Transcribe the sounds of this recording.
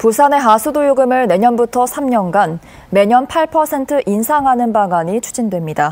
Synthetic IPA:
pusʰane̞ɦasʰudojoɡɯmɯɭne̞ɲʌnbutʰʌsʰamɲʌnɡan | me̞ɲʌnpʰaɭpʰʌsʰe̞ntʰɯʔinsʰaŋɦanɯnbaŋaɲit͡ɕʰud͡ʑindwe̞mɲida

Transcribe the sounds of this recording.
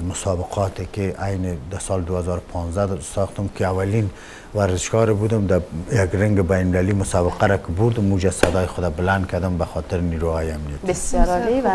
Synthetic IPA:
zmʊsɑbɪqʰɔt̪ekeʔajned̪asɑld̪uazɔɾʊpʰɑnzd̪asɑxt̪ʊmkeawalin | waɾzɪʃɡɔɾebud̪ʊmd̪ajaɡɾɪŋɡɪbajnmɪlalimʊsɑbɪqaɾakɪbuɾd̪ʊmud͡ʒasad̪ɔjixʊd̪abɪland̪̚kʰad̪ɪmbaxɔt̪ɪɾniɾuhɑjiamnijat̪s

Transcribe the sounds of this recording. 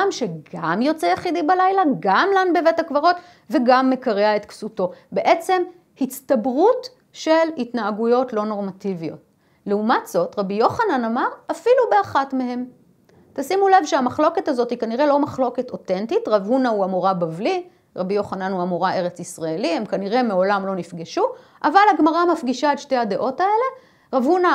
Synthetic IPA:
amʃeɡamjo̞t͡sejaχid̪ibalajlaɡamlanbevetakvaʁo̞t | veɡamːe̞kaʁeaet̪ksuto̞be̞ʔe̞t͡se̞m | hit͡st̪abʁut | ʃe̞lhitnaːɡujo̞tlo̞no̞ʁmativijo̞̰t̚ | leumatz̥o̞tʁabijo̞χananamaʁafilubeaχatmehe̞m | t̪asimule̞vʃeamaχlo̞ke̞tazo̞thikaniʁe̞lo̞maχlo̞keto̞te̞ntitʁavhunauamoʁabavli | ʁabijo̞χananuamoʁaʔe̞ʁet͡sisʁaelihe̞mkaniʁe̞meo̞lamlo̞nifɡeʃuʔavalaɡmaʁamafɡiʃaedʃte̞hade̞ʔo̞tae̞le̞ | ʁavhuna

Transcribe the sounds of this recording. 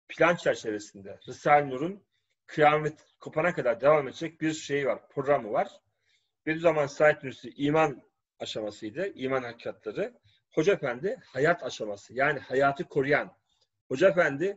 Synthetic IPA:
pʰilʲant͡ʃʰæɾt͡ʃʰe̞ve̞sind̪ɛɾɯsalʲnuɾun | kʰɯjamɛt̪ | kʰo̞pʰanakʰad̪aɾd̪e̞vaːme̞d̪ed͡ʒɛc̚biɾʃe̞jvaɾpʰɾo̞ɡɾamɯvaɾ̥ | b̥ed̪yzamansat̪ːnysiʔiːman | aʃamasɯjd̪ɯiːmanhacːʰat̪ʰlˠaɾɯ | ho̞d͡ʒafænd̪ɪhajat̪ʰaʃamasɯjaːnihajaːt̪ʰɯkʰo̞ɾujan | ho̞d͡ʒafænd̪ɪ

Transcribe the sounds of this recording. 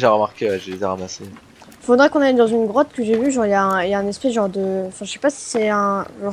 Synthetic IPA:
ʒaʁəmaʁkʲeəʒedezaʁamase | ifod̪ʁɛkɔ̃najd̪ɑ̃zynɡʁɔt̪kəʒevyʒɑ̃ʁijaɛ̃jaɛ̃nɛspɛʒɑ̃ʁd̪əɑ̃fɛ̃ʒəsɛ̥pasi̥sɛɛ̃ʒɑ̃ʁ

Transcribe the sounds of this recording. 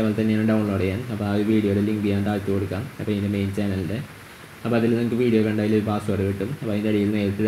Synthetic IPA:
ɐʋaːlt̪ɐnːeaːnɐɖɐwuɳloːɽejaːnɐpːoɐðuʋiːɽijoɽeliŋɡijaːnt̪aːɻt̪ːɨkoɽukːaːmɐpːoːindemejnt͡ɕaːnɐlde | ɐpːoːɐðilnɐmukːɨʋiːɽijoːkɐɳɖaːjiloɾubaːsuʋɐrɐʋeʈːumɐpːoːind̪ɐɽijilneːrt̪ːi

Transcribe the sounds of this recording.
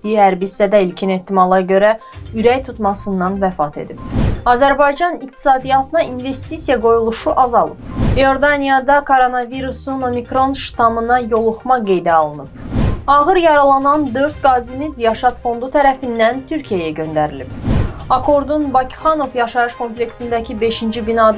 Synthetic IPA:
d̪iihæɾbist̪æd̪æilcʰine̞ht̪ːimɑlˠɑɟø̞ɾæ | yɾæjt̪ʰut̪mɑsɯnːɑnvæfɑt̪ʰe̞̰d̪ib̥ɑzæɾbɑjd͡ʒɑnik̚t̪ʰi̥sɑːd̪ijɑt̪ʰɯnɑʔinve̞st̪isijæɡo̞julˠuʃuʔɑzɑlˠɯ̰bjo̞ɾd̪ɑnijɑd̪ɑkʰo̞ɾo̞nɑviɾusuno̞mikɾo̞nt̪ʃt̪ʰɑmɯnɑjo̞lˠuχmɑɡe̞jd̪æɑlˠɯnɯbɑʁɯɾjɑɾɑlˠɑnɑnd̪ø̞ɾt̪ɡɑzinyzjɑʃɑt̪fo̞nd̪ut̪ʰæɾæfind̪ænt̪ʰyɾcʰijæjæɟø̞nd̪æɾilib̥ɑkʰo̞ɾd̪unbɑcʰi̥χɑno̞vjɑʃɑɾɯʃkʰo̞mplʲe̞ksind̪æcʰibe̞ʃind͡ʒibinɑd̪

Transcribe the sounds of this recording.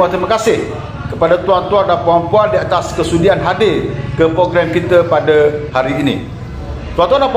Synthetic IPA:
at̪ɾimakasɪh | kəpadat̪uant̪uandapəampuandiat̪askəsudianɦadɪrkəpɾoɡɾɛmkit̪əpadəhaɾiːnḭ̃ | t̪uant̪uandap

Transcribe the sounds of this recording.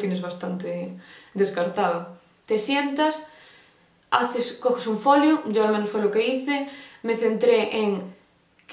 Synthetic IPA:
t̪enezβ̞ast̪ant̪ed̪eskaɾt̪aðo | t̪esjent̪as | a̰θeskoxesuɱfoljoɟ͡ʝoalmẽnosfwoelokeiθemeθent̪ɾeʔeŋ | k

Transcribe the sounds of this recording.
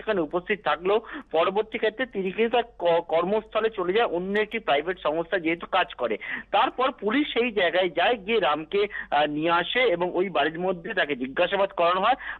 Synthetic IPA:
ekʰaneupost̪ʰit̪̚t̪ʰaklopɔɾoboɾt̪ikʰet̪ːɾet̪inikint̪aɾkɔɾmost̪ʰalet͡ɕoled͡ʑaeʔonːoek̚ʈipɾajbʱeʈʃɔŋost̪ʰad͡ʑeɦet̪ukad͡ʑkɔɾḛt̪aɾpɔɾpuliʃːejd͡ʑaeɡaed͡ʑaeɡieɾamkeniaʃeeboŋojbaɾiɾmod̪ʱːet̪aked͡ʑiɡːaʃabad̪kɔɾanoɦɔe

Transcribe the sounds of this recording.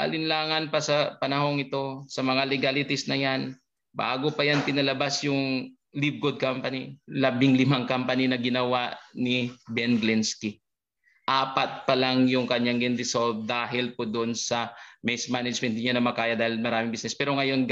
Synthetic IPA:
ʔɐ̰lɪnlaːŋɐnpɐsɐpɐnɐɦo̞ŋɪt̪o̞sɐmɐŋalɪɡalɪt̪ɪsnɐjan | ba̰ːɡo̞pɐjant̪ɪnɐlɐbasjʊŋ | lib̚ɡod̪̚kampɐnilɐbɪŋlɪmaŋkampɐninɐɡɪnɐwaʔnɪbɛnɡlɛnski | ʔaːpɐt̪̚pɐlaŋjʊŋkɐɲːaŋɡɪnd̪ɪsolv̚d̪aːɦɪlpod̪oʔonsɐmɛsmanɐd͡ʒmɛnt̪̚ɲanɐmɐkaːjɐd̪aːhɪlmɐɾaːmɪŋbisnɛspɛːɾoŋɐjo̞n

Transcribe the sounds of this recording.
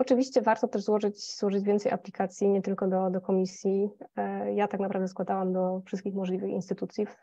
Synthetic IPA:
ɔt͡ʂɘvʲiɕt͡ɕɛvaɾt̪ɔt̪ɛʐzwɔʐɘt͡ɕzwɔʐɘd͡ʑvʲɛnt̪sɛjʔa̰plʲikat̪sʲjiɲɛt̪ɘlkɔd̪ɔd̪ɔkɔmʲisʲji | jat̪aknapɾavd̪ɛskwad̪awamd̪ɔfʂɘst̪kʲixmɔʐlʲivɘxḭnst̪ɘt̪ut̪sʲjif

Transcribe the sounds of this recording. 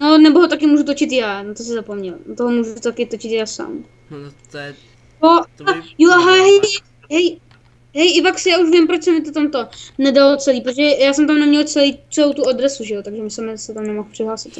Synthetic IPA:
nonɛboɦot̪akɪmuːʒut̪ot͡ʃɪt̪jaːnat̪osɪzapomɲɛlnat̪oɦomuːʒut̪akɪt̪ot͡ʃɪt̪jaːsa̰ːm | oajoaɦaɦɛj | ɦɛj | ɦɛjʔɪvaksjaːuʃvɪmpɾot͡ʃsɛmɪt̪ot̪amt̪onɛdalot͡sɛliːpɾot̪oʒɛjaːsɛmt̪amnɛmɲɛlt͡sɛliːt͡sɛlowt̪uadɾɛsuʒɛot̪aɡʒɛmɪsɛmɛzsɛt̪amnɛmoxpr̥ɪɦlaːsɪt̪

